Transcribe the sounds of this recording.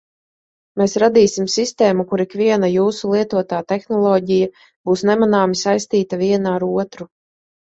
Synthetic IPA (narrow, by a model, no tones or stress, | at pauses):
meːsɾad̪iːsimsist̪eːmukuɾikviɛnajuːsulˠiɛt̪uɔt̪aːt̪exnɔlˠɔːɟija | b̥uːsnɛmanaːmisajst̪iːt̪aviɛnaaɾuɔt̪ɾu